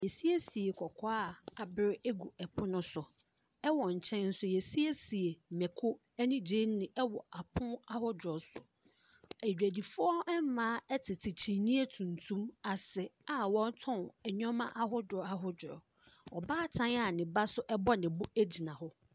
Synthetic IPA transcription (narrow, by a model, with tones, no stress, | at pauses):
jɛ˨si˦e˦si˨e˨kʰɔ˨kʰɔ˦a˦˨a˨bɪ˦ɾɪ˦ɛ˦ɡu˨ɛ˨pʰʊ˦nʊ̃˦sʊ˨ | ɛ˦wɔ˨ɲ̩˨t͡ɕʰɛ̃˦nn̩˦sʊ˦jɛ˨si˦e˦si˨e˨mɛ˨kʰʊ˦ | ɛ˦nĩ˦d͡ʑe˦n˦nɪ̃˨ʔɛ˦wɔ˨ʔa˨pʰʊ̃˦a˦hʊ˦dɔ˨sʊ˨ | æ˨d͡ʑᶣæ˨di˨fʊ˦ɔ˦ɛ˦m˦mãː˦ɛ˦tʰɪ˨tʰɪ˨t͡ɕʰi˨nĩ˦e˦tʰũ˨n˨tʰũ˦ma˨sɪ˨a˨wɔ̃˦n˦tʰɔ̃˦˨ɛ˨ɲᶣɔ̃˦mã̰˦ʔa˦ɦʊ˦dɔ˨a˦ɦʊ˦dʊ˨ɔ̰˨ | ɔ˨baː˦tʰã˦n˦a˨nɪ̃˨ba˦sʊ˦ʔɛ˦bɔ˦nɪ̃˨bʊ˦æ˦d͡ʑi˨nã˨hʊ˦